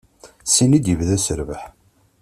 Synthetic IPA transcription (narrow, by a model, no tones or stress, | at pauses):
sinid̪jəvðæsəɾvəħ